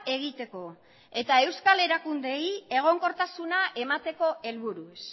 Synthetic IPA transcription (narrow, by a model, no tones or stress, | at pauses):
e̞ɣ̞it̪e̞ko̞ | e̞t̪ae̞wskale̞ɾakund̪e̞je̞ɣ̞o̞ŋko̞ɾt̪asunaʔe̞mat̪e̞ko̞e̞lβuɾus